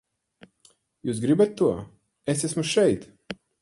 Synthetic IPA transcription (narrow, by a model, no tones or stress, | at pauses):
juːsɡɾibat̪ːuɔ | esæsmuʃɛjt̪